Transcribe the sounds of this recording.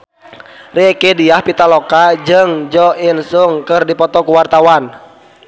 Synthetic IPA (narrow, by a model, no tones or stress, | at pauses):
riɛkediahpit̪alɔkad͡ʒɨŋd͡ʒɔinsuŋkɨrdipɔt̪ɔkuwart̪awan